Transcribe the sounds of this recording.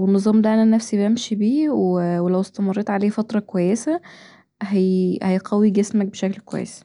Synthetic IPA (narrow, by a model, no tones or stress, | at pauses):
wenːɨzˤuːmd̪æʔænænːæfsibæmʃibiːwwelæwest̪æmɑrˤːeːt̪ʕaleːfɑt̪ɾˤɑkwæjːesæ | ɦæjhæjqɑwːiɡesmæk̚beʃæklkwæ̰jːḛs